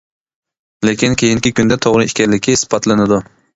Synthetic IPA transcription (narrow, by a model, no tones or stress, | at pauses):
lekʲinkʲʰejiŋkʲikʲynd̪ɛt̪ʰoʁɾɨikʲɛɾlːɪkʲʰispɑt̪lˠɨnɪd̪u